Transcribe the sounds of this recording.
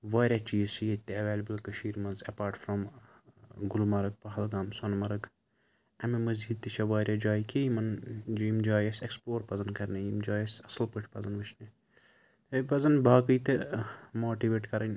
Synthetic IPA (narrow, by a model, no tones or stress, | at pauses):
ʋaːɾʲjat͡ʃiːzt͡ʃʰijet̪ːeɐʋeːlʲɐbɨlkɐʃiːɾmɐnzɐpaːɾʈfɾɐm | ɡulmɐɾɐk̚pɐɦɐlɡaːmsɐnmɐɾɐɡ | ɐmimɐziːd̪̚t̪ːit͡ʃʰɐʋaːɾʲjad͡ʒaːjkejmɐnd͡ʒiimd͡ʒaːjɐsekspoːɾpɐzɐnkɐɾnejimd͡ʒaːjɐsɐsɐlpɨʈʰʲpɐzɐnʋɨt͡ʃʰne | t̪ɐpɐzɐnbaːkɨjt̪emoːʈiʋeːʈkɐɾɐnʲ